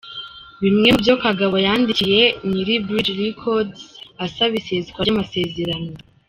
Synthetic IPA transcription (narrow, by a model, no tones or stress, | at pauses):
βimŋe̞mubjo̞kaɡaβojaːndicije̞niɾibɾid͡ʒɾikʰodzasaβisezikwaamase̞ze̞ɾano